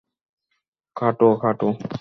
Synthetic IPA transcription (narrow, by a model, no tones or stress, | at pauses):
kʰaʈokʰaʈo